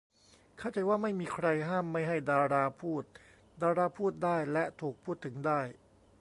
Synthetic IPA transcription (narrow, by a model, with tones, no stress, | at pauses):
kʰa˥˩t͡ɕa˧jwaː˥˩ma˥˩jmiː˧kʰɾa˧jɦaː˥˩mːa˥˩jɦa˥˩jdaː˧ɾaː˧pʰuː˥˩t̪̚ | daː˧ɾaː˧pʰuː˥˩t̪̚daː˥˩jlɛ˦˥t̪ʰuː˨˩k̚pʰuː˥˩t̪ʰːɯ˩˦ŋdaː˥˩j